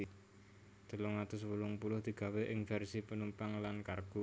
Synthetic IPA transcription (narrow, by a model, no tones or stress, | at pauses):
d̪̥ə̤lʊŋat̪ʊswulʊŋpulʊhd̪̥i̤ɡ̥a̤weʔɪŋfɛrsipənumpaŋlankarɡ̥ṳ